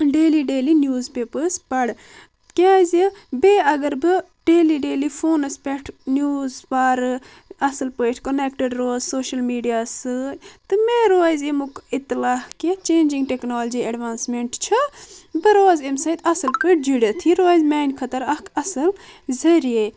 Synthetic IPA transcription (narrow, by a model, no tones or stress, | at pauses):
ɖeːliɖeːlinjuːzpeːpəspɐɽ | kaːjzibeːɐɡɐɾbɨ | ɖeːliɖeːlifʰoːnɐspʲɛʈʰnjuːzpaːɾ | ɐsɐlpəjʈʰkonekʈəɖɾoːzsoːʃɐlmiːɖijaːsɨt̪ɨmeːɾojzemukɪt̪ːlaːhket͡ʃeːnd͡ʒĩŋɡ̚ʈeknaːld͡ʒiɐɖʋaːnsmeɳʈt͡ʃʰɐbɨɾoːzemsɐjt̪ɐsɐlpəːʈ̚ʰd͡ʒiɽɐt̪ʰiɾoːjzmaːjnkʰɐt̪əɾɐkʰɐsɐlzɐɾie